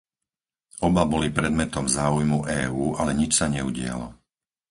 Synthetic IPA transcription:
ɔbabɔlipɾɛd̪mɛt̪ɔmzaːujmuʔɛːuːʔalɛɲit͡ʃsaɲɛuɟɪa̰lɔ̰

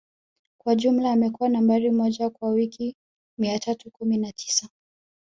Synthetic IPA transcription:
kwaʄum̩laːmɛkuwanambaɾimɔʄakwawikʰi | miatʰatukuminatʰi̥sa

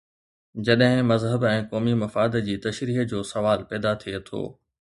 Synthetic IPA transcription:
d͡ʑɐɗɦɪ̃mɐzɦəbɛ̃ːkɔːmimɐfaːd̪d͡ʑiːt̪ɐʃɾiːɦd͡ʑoːsɐʋaːlpɛːd̪at̪ʰiet̪ʰo̰ː

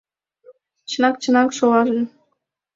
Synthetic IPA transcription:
t͡ɕʰənɑk̚t͡ɕʰənɑkʃowɑʒə̆n

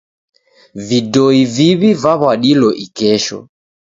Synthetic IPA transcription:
vidɔiviβivaβaɗilɔʔikɛʃɔ̰

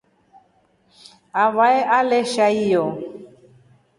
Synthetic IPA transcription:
avaɛʔalɛʃaijɔ

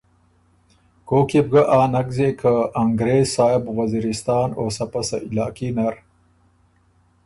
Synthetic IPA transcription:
koːkib̚ɡaʔaːnɐɡzekʰaːŋɡɾeːzsaːjebwɐziːɾist̪ɑːnoːsɐpɐsailaːkinɐɾ

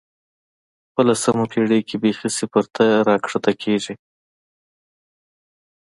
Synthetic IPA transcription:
wəlasamapʰeɽekebexisepəɾt̪ʰaɾɑkʂat̪akʰeʒi

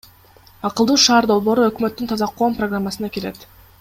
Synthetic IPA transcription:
ɑqɯlˠd̪uːʃɑːɾd̪o̞lˠβo̞ːɾuø̞kmø̞t̪ːynt̪ʰɑzɑqːo̞ːmproɡramːasɯnɑkele̞t̪

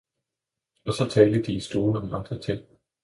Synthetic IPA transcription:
ɒ̽sɒ̽t͡sʰɛːld̥əd̥iːsd̥oːn̩ɒ̽mɑ̈nd̥ʁɐt͡sʰen̰

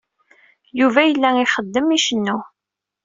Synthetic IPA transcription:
juvæjəlːæiχəd̪ːəmiʃənːu

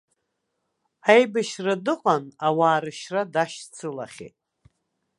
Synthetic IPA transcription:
ajbaʃradɨqʼanawaːɾɨʃradaʃt͡sʰɨla̰χʲḛtʼ

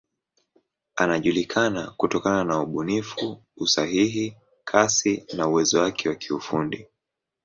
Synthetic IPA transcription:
anaʄulikʰanakutɔkananauɓunifuːsaɦiɦi | kʰasinauwɛzɔwakʰɛwakiufundi

